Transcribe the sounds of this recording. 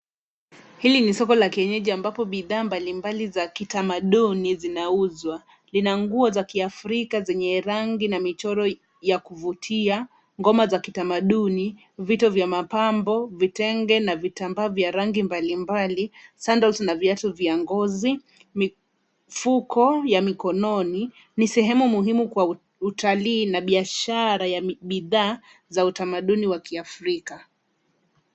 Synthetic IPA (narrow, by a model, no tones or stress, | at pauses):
hilinisɔkɔlakiɛɲɛʄiambapɔɓiðaːmbalimbalizakitamaɗunizinauzwa | linaŋɡuɔzakiafɾikazɛɲɛɾaŋɡinamit͡ʃɔɾɔ | jakuvutʰia | ŋɡɔmazakitamaɗuni | vitɔvjamapambɔvitɛŋɡɛnavitambaːvjaɾaŋɡimbalimbalisandalsnaviatɔviaŋɡɔzi | mi | fukɔjamikɔnɔni | nisɛɦɛmumuɦimukwa | utʰaliːnaɓiaʃaɾajaɓiðaː | zautamaɗuniwakiafɾika